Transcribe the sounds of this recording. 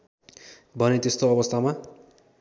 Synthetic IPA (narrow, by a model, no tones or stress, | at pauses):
bʱʌnet̪est̪oʌβʌst̪ʰama